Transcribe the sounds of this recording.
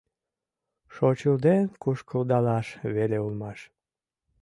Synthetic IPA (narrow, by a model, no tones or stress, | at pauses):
ʃot͡ɕəld̪enkuʃkəld̪ɑlɑʃβeleulmɑʃ